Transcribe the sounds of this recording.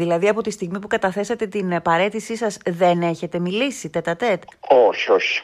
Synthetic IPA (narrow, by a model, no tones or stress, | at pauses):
ilɐðiɐpo̞t̪ist̪iɣmipukɐt̪ɐθe̞sɐt̪e̞t̪inpɐɾe̞t̪isisɐzðe̞ne̞çe̞t̪e̞milisit̪et̪ɐt̪e̞t̪oçioçi̥